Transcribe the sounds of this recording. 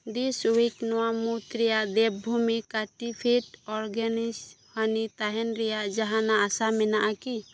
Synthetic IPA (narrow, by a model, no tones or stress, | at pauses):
d̪isuiknɔwamut̪ɾɛjaʔd̪ɛb̚bʱumikaʈipʰiʈɔɾɡanis | hanit̪aɦɛnɾɛjaʔd͡ʒaɦanaːsamɛnaʔaki